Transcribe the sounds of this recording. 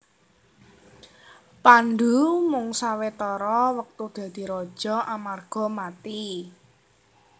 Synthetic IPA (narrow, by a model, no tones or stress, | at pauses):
pand̪umʊŋsawet̪ɔɾɔwək̚t̪ud̪̥a̤d̪̥i̤ɾɔd̥ʒ̥ɔ̤ʔamarɡ̥ɔ̤mat̪i